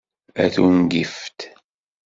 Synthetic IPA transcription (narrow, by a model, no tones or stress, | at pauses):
æ̰θunɡift̪